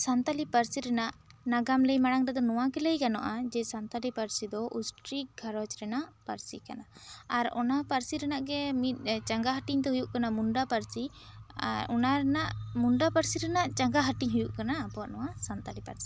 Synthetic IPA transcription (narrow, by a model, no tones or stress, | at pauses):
sant̪alipaɾsiɾɛnaʔnaɡamləjmaɽ̃aŋɾɛd̪ɔnɔwakɛləjkanɔ̰ʔad͡ʒɛsant̪alipaɾsid̪ɔʔusʈɾik̚ɡʱaɾɔt͡ʃɾɛnaʔpaɾsika̰naaɾɔ̰napaɾsiɾɛnaʔɡɛmit̪̚ˀt͡ʃaŋɡaɦaʈiɲt̪ɛɦujuʔkanamuɳɖapaɾsi | a̰ɔ̰naɾɛnaʔmuɳɖapaɾsiɾɛnaʔt͡ʃaŋɡaɦaʈiɲɦujuʔkanaːpɔaʔnɔwasant̪alipaɾsi̥